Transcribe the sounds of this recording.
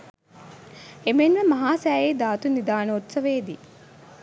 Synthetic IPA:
emenʋəmɐɦaːsæːjed̪aːt̪unid̪aːnəot̪sɐʋeːd̪i

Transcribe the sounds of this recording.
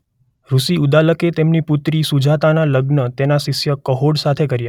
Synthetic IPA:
ɾusiud̪aləket̪emniput̪ɾisud͡ʒʱat̪analəɡnət̪enasɪʃjəkəɦoɽsat̪ʰekəɾja

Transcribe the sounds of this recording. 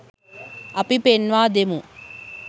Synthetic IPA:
ɐpipenʋaːd̪emu

